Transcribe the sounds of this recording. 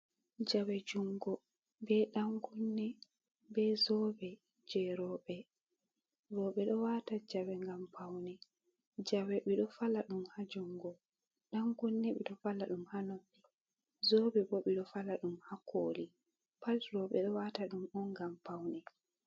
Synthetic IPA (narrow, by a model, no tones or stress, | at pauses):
d͡ʒawɛd͡ʒuŋɡɔ | bɛɗaŋɡunːɛ | bɛzɔbɛ | d͡ʒɛɾɔɓɛ | ɾɔɓɛɗɔwatad͡ʒawɛŋɡampʰawnɛ | d͡ʒawɛɓiɗɔfalaɗumhad͡ʒuŋɡɔ | ɗaŋɡunːɛɓɛɗɔfalaɗumhanobːi | zɔbɛbɔɓiɗɔfalaɗumhako̰ːli | palɾɔɓɛɗɔwataɗumɔnɡampawnɛ